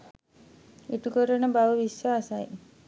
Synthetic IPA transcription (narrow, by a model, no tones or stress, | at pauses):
iʈukəɾənəbaʋəʋisjaːsaj